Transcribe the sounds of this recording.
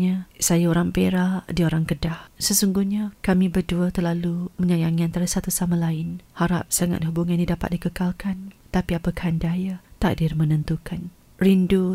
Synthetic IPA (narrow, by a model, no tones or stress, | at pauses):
ɲasajaoɾaŋpeɾadioɾaŋkədahsəsuŋɡuɲakamĩbərduət̪ərlalumə̃ɲajaŋiant̪aɾasat̪usamãlaɪnhaɾa̰p̚saŋa̰t̪̚hubuŋanidapa̰t̪̚dikəkalkant̪apiapəkhandajat̪a̰ʔdirmənənt̪ukan | rindu